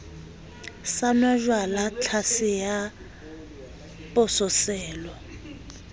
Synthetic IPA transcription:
sanwaʒwalat͡ɬʰasɪja | pʼʊsɔsɛːlɔ

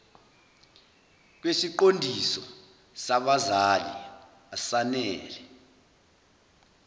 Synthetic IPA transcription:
k̬wesiǃondʱisɔ | saɓazalḭ | asanɛːlɛ

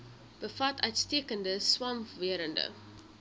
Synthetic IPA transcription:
b̥əfɐtœɥtstiəkəndəswɐmviəɾəndə̰

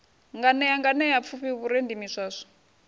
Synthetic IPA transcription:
ŋɡanɛjaŋɡanɛjap̪fʰuɸiβuɾendimiʂaːʂɔ̥

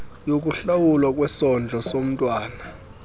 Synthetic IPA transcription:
jok̬ʼuɬawulwak̬ʼwɛsɔnd͡ɮʱɔsom̩tʼwaːna

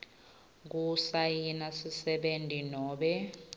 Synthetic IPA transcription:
k̬usajinasisɛɓentʼinɔːɓɛ

